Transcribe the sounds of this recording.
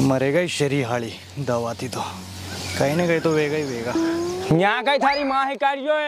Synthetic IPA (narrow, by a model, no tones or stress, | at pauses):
məɾeɡaiɕəɾiːɦaɭi | d̪əʋat̪it̪o | kainakait̪oʋeɡaiʋeɡaɲãkait̪ʰaɾiːmaɦikaɾjoe